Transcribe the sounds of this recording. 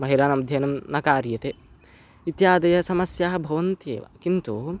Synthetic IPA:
mɐɦilaːnɐmd̪ʱjɐnɐmnɐkaːɾjɐt̪e | it̪jaːd̪ɐjɐsɐmɐsjaːɦɐbʱɐʋɐnt̪jḛːʋa̰kint̪u

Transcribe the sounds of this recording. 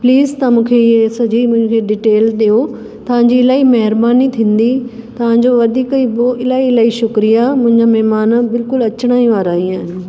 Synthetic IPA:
pliːzt̪ɐmũːkʰeɪɦesɐd͡ʑimʊ̃ɪ̃kʰeɖɪʈeːlɗijo | t̪ɐʋ̤ãːɲd͡ʑiɪlaːimɐɦɪɾbaːnit̪ʰĩːn̆d̪i | t̪ɐʋ̤ãːɲd͡ʑoʋɐd̪ʱiːkiboʔɪlaːiɪlaːiʃʊkɾijamʊ̃ɦɪ̃ɲd͡ʑamɛɦmaːnbɪlkʊlɐt͡ɕəɽ̃aːĩʋaːɾaːĩaːɦɪnɪ̆

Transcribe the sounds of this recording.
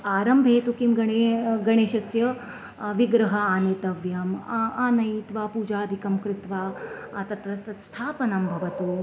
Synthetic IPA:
aːɾɐmbʱeːt̪ukimɡɐɳeɡɐɳeːʃɐsjɐ | ʋiɡɾɐɦɐaːneːt̪ɐʋjɐmaːnɐjiːt̪ʋaːpuːd͡ʒaːd̪ʱikɐmkɾɪt̪ʋaːat̪ɐt̪ɾɐt̪ɐt̪st̪ʰaːpɐnɐmbʱɐʋɐt̪u

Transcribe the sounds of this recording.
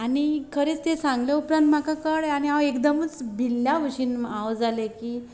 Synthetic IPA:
añikʰəɾeːt͡st̪esãŋɡljeupɾãnt̪m̤akakəɽaɽ̃iawekd̪əmət͡sbʱilːjaʋəɕiːnawd͡zalekiː

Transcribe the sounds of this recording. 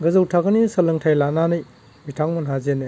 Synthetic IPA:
ɡɐzɐwtʰaɡɐnisɐlɐŋtʰajlananɯj | mitʰaŋmɐnɦazenɯ

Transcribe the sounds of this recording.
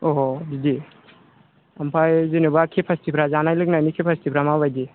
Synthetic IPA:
ɔdidi | ampʰajzinɯbakʰepʰastipʰɾazanajlɯk̚najnikʰepʰastipʰɾamabajdi

